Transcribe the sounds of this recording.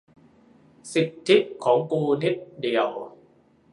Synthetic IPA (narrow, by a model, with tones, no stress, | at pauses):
si˨˩t̪ʰːi˦˥ʔ̚kʰɔː˩˦ŋkuː˧ni˦˥t̪̚di˨˩əw